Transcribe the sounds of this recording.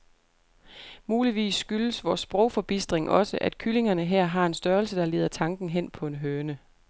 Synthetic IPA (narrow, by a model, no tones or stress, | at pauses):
muːliʋḭːsːɡ̥yləsʋɒːsb̥ʁɔ̽ʊ̰fɒ̽b̥isd̥ʁeŋʔɒ̽səʔæd̥̚kʰyle̝ŋɐnəɦɛɐ̰ɦɑ̈e̝nsd̥ɶɐlsəd̥ɑ̈le̝ːðˠɐt͡sʰɑ̈ŋɡ̥n̩ɦen̰pʰɒ̽e̝nɦøːɐnə